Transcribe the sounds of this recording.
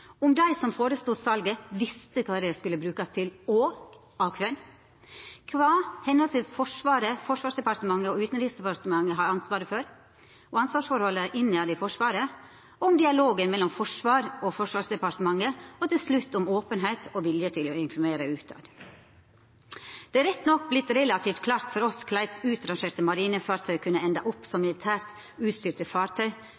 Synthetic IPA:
ɔmd̪æɪsɔmfoːɾəst̪uːsɑlɡəʋɪst̪əkʰɑːd̪ɛskʉləbɾʉːkɑst̪ʰɪlɔ | ɑʋkʰʋɛl | kʰʋɑːhɛnːəlsəsfɔʂʋɑːɾəfɔʂʋɑːʂd̪ɛpɑɾt̪əmɑŋːəɔʉːt̪nɾiːsd̪ɛpɑɾt̪əmɑŋːəɦɑɾɑnsʋɑːɾəføːɾ | ɔɑnsʋɑːʂfɔɾhɔlːəʔɪnːəɑd̪æɪfɔʂʋɑːɾə | ɔmd̪ɪɑloːɡənmɛlɔmfɔʂʋɑːɾɔfɔʂʋɑːsd̪ɛpɑɾt̪əmɑŋːəɔt̪ɪlslʉt̪ːɔmoːpənɦæɪt̪ʰɔʋɪljət̪ʰɪlɔɪnfɔɾmeːɾəʉːt̪ɑ̰ːd̪ | d̪̥ɛːæɾɛt̪ːnɔkːblɪt̪ːɾɛlɑt̪ʰiːft̪kʰlɑːɾt̪fɔɾɔskʰlæɪt̪sʉːt̪ɾɑŋʃeːɾt̪əmɑɾiːnəfɑːɾt̪ʰœʏkʰʉnːəɛnd̪ɑʔɔpːsɔmːɪlɪt̪ʰæːɾt̪ | ʉːt̪st̪yːɾt̪əfɑːɾt̪ʰœʏ

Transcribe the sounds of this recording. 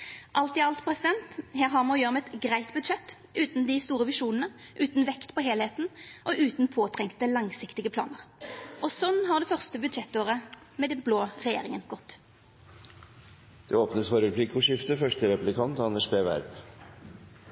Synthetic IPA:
ʔɑlt̪ɪɑlt̪pʰʁɛsɪd̪ɛnt̪heːʁɦɑːʁmɑnɔjøːʁmɛɛt̪ɡʁæɪt̪bʉd̪ʃɛt̪ː | ʔʉːt̪nd̪ɪst̪uːʁəʋɪʂuːnənəʔʉːt̪n̩ʋɛkt̪pʰɔɦeːleːt̪n̩ʔɔʔʉːt̪n̩pʰoːt̪ʰʁɛŋkt̪əlɑŋsɪkt̪ɪɡəpʰlɑ̰ːnəʁʔɔsɔnːɦɑʁd̪ɛfœʁst̪əbʉd̪ʃɛt̪ːoːʁə | mɛːd̪ɛbloːʁɛjḛːʁɪŋənɡ̥ɔt̪ː | d̪̥ɛoːpnəsfɔɾəɾpʰliːkʊʂɪft̪əfœʂʈəɾɛplɪkʰɑnt̪ɑnɛʂbeːʋæ̰ɾp

